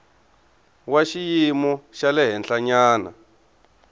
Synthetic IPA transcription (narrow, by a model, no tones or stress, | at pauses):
waʃijimɔʃalɛɦɛnɬaɲaːna̰